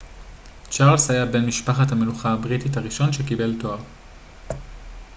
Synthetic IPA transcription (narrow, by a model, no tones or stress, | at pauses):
t͡ʃaʁlsajabe̞nmiʃpaχathameluχaabʁititaʁiʃo̞nʃekibe̞lto̞aʁ